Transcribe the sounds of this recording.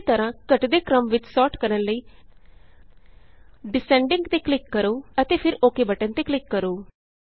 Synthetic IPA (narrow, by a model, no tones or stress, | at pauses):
t̪əɾãːkəʈd̪eːkɾəmʋɪt͡ʃsɔːʈkəɾənləiː | ɖɪsɛ̃ːɳɖɪ̃ŋɡt̪eːklɪkːəɾoːət̪eːpʰɪɾoːkeːbəʈənt̪eːklɪkːəɾoː